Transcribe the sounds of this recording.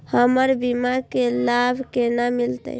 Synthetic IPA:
həməɾbimakelabʱkenamilt̪ə̰

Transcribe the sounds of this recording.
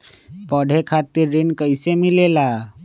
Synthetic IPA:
pəɽ̤ʱekʰat̪iɾːinkəɪsemilela

